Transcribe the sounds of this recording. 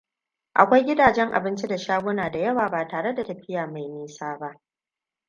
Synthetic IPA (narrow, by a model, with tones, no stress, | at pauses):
ʔa̰˨kʷa˦jɡʲɪ˦daː˨d͡ʒɛ˦ŋʔa̰˨bɪ˦nt͡ʃi˦da˨ʃaː˦ɡʷʊ˦naː˨da˨jɐ˦waː˨baː˨taː˨ɽe˦da˨tɐ˨ɸɪ˦jaː˨ma˨jmiː˦saː˦ba˦ʔ